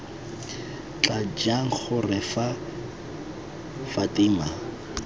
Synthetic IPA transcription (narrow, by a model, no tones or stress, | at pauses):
t͡ɬʼad͡ʒaŋ̩k͡xʊrɪfa | fatiːma